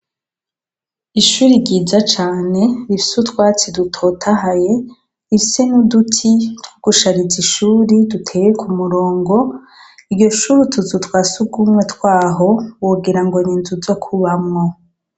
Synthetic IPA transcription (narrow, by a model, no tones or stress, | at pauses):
iʃuːɾiɟiːzat͡ʃaːne̞βifi̥sutkwaːt͡sidutʰotʰaɦaje̞ | ifisenudutʰitwoɡ̥uʃaɾiziʃuːɾidutʰe̞ːjekʰumuɾo̞ːŋɡo̞ | iɾɟo̞ʃuɾitʰuzutwaːsuɡumŋwe̞tkwaːɦo̞woɡiɾaŋɡo̞ɲiːnzuzokʰuβamŋo̞